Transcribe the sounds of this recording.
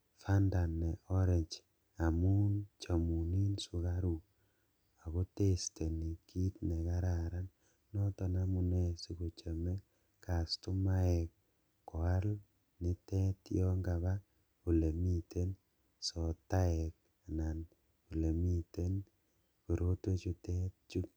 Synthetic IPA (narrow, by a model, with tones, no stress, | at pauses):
fa˦nda˨nːɛ˨ʔɔ˦ɾe˨ɲt͡ʃ | a˨mu˦nt͡ʃa˨mu˨ni˦nsu˨ka˦ɾu˨ | a˨ko˦te˦ste˨ni˨kʰi˦tne˨ka˦ɾa˨ɾa˦nː | ɔ˦tɔ˨namu˨ne˦si˦ku˨t͡ʃe˨me˦ | ka˨stu˦ma˦ɛ˨kː | ɔ˨a˦l | nɪ˦tɛ˦tjɔ˦ŋɡa˨βa˦ | ku˨le˨mi˦te˦n | sɔ˨ta˦ɛ˨k̚ | a˨na˨n | ku˨le˨mi˦te˦n | ku˨ɾo˦te˦t͡ʃu˦te˦t̚t͡ʃu˦